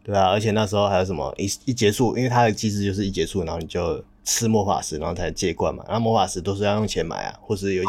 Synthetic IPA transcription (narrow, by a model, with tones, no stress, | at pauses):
t̪we˥˩ɪa˩ə˧˥t͡ɕʰɛ˨˩na˥˩ʂ̬ɻ̩˧˥xo˥˧xa˧˥jo˧˥ʊʂə˨˩mə̰˦ʔi˥i˥˩t͡ɕjɛ˧˥su˥˩ʔi˥nwe˥˩ɪt̪ʰa˥d̪ə˨˩t͡ɕi˥ʂɻ̩˥˧t͡ɕjo˥˧ʊʂ̬̩˥˩i˥˩t͡ɕjɛ˧˥su˥˩na˧˥xo˥˩ni˨˩t͡ɕjo˥˩ʊ | t͡s̩ʰ˥mwɔ˥˩fa̰˨˩ʂɻ̩˧˥na˧˥xo˥˩t͡sʰa˧˥t͡ɕjɛ˥˧˦kwa̰˥˩nma̰˨˩na˥˧mwɔ˥fa˨˩ʂɻ̩˧˥t̪o˥ʊʂ̬̩˥˧jjŋt͡ɕʰjɛ˧˥˦nma̰˨˩˦ɪa̰˨xwɔ˥˧ʂ̬ɻ̩˥˩jo˨˩˧